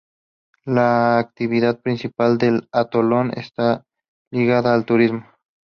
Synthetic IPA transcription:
laːk̚t̪iβiðað̚pɾinsipald̪elat̪olonḛst̪a | liɣaðaːlt̪uɾizmo

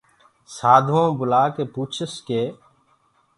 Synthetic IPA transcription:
saːd̪ʱõːbʊlaːkeːpuːt͡ʃʰəskeː

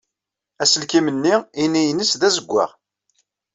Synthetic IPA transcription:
æsəlkimənːiʁinijənəsðæzəɡʷːa̰ʁ

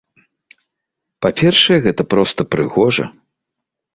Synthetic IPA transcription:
papʲɛrʂɐjɛɣɛt̪ɐpɾɔst̪ɐpɾɨɣɔʐɐ̰

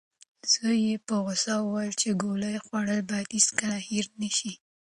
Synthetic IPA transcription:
z̥əjepəɣʊsɑwwajlt͡ʃeɡoləjxwaɽəlbɑd̪iskaahiɾnaʃi

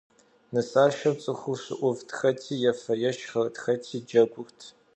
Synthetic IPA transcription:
nɨsʼaːʃɐt͡sʼɨxʷʊɕɨ̰ʔʷʊvdxɐtʰiːjɛfɐjɛʃχɐrdxɐtʰiːd͡ʒɐɡʷʊrtʰ

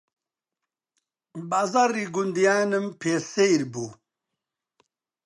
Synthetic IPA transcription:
bazaɾiɡund̪ijaːnɐmpʰesejɾbu

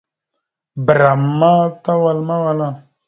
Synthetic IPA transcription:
bɾamːat̪awalmawala

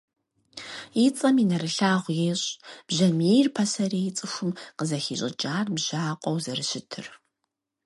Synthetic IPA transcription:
jit͡sʼɐminɐɾɨɬaːʁʷjeːɕʼb̥ʑɐmiːrpʰɐsɐɾiːjɪt͡sʼɨxʷʊmqəzɐxiːɕʼɪ̰d͡ʒʼaːrbʒaːqʷʼɔwzɐrɨɕɪtʰɨ̰r

